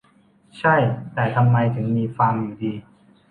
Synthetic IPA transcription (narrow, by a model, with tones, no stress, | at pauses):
t͡ɕʰa˥˩jt̪ɛː˨˩t̪ʰa˧mːa˧jt̪ʰɯ˩˦ŋmiː˧faː˧mjuː˨˩diː˧